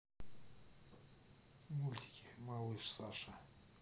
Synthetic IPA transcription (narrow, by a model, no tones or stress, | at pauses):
mulʲt̪ʲi̥kʲimalˠɨʂsaʂa